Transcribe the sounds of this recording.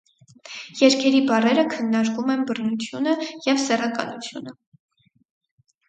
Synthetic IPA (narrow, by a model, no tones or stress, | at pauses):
jɛɾkʰɛɾibɑrɛɾəkʰənːɑɾkumɛnbərnut͡sʰjunəjɛvsɛrɑkɑ̰nut͡sʰjṵnə